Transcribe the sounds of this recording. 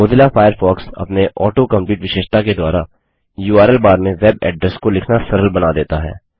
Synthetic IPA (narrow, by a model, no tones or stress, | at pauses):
moːd̪ɪlafaːjəɾfɔːksɐ̰pneʔɔːʈokɐ̃mpjuːʈʋɪʃeːʃt̪aked̪waːɾa | juːaːɾɛlbaːɾmẽʋɛːbɛ̰ːɖɾɛskolɪkʰnasɐɾəlbɐnad̪eːt̪aɦɛ̰ː